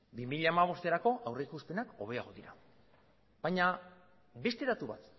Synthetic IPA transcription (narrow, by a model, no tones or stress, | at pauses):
bimiʎaːmaβ̞o̞st̪e̞ɾako̞ʔawre̞ikuspe̞nako̞̰β̞e̞aɣ̞o̞ðiɾa̰ | b̥ajɲa | be̞st̪e̞ðat̪uβa̰t̪